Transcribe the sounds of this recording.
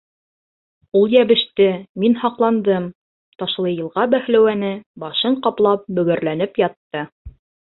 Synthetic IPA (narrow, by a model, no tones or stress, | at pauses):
ulˠjæβɘ̆ʃt̪ɘminhɑqlˠɑnd̪ɤm | t̪ɑʃlˠɤjɤ̆lˠʁɑbæhlæwænɘbɑʃɤɴqɑplˠɑp̚bɵ̆ɡɘ̆ɾlænɘpjɑt̪ːɤ